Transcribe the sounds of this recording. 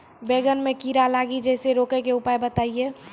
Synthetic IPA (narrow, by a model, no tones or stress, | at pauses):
beːɡənmẽkiːɾalaːɡid͡ʒɛːseɾoːkekeʊpaːjbət̪aːieː